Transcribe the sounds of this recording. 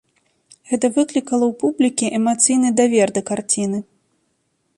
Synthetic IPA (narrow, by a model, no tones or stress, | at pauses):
ɣɛt̪ɐvɨklʲikɐlˠɐwpublʲikʲiʔɛmat̪sɨjnɨd̪avʲɛrd̪ɐkart͡sʲinɨ